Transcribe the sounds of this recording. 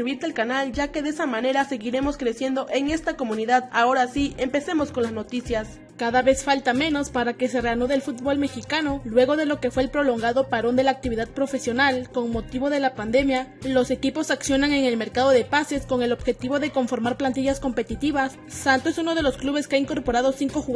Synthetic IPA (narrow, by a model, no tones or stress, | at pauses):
βiɾt̪alkanald͡ʒake̞ðesamãne̞ɾase̞ɣiɾe̞mo̞skɾe̞sje̞nd̪o̞ʔe̞ŋe̞st̪ako̞mũniðaðao̞ɾasiempe̞se̞mo̞sko̞nlazno̞t̪isjas | kaðaβe̞sfalt̪ame̞no̞spaɾake̞se̞reanoðe̞lfut̪̚bo̞lme̞xikano̞lwe̞ɣ̞o̞ðe̞lo̞ke̞fweːlpɾo̞lo̞ŋɡaðo̞paɾo̞nd̪e̞laːk̚t̪iβiðaðpɾo̞fe̞sjo̞nalko̞ŋmo̞t̪iβo̞ðe̞lapand̪e̞mjalo̞se̞kipo̞saksjo̞naŋe̞ŋe̞lme̞ɾkaðo̞ðe̞pase̞sko̞ŋe̞lo̞bxe̞t̪iβo̞ðe̞ko̞ɱfo̞ɾmaɾplant̪̬iʝasko̞mpe̞t̪it̪iβasːant̪oesuno̞ðe̞lo̞skluβe̞skeaiŋko̞ɾpo̞ɾaðo̞siŋko̞xu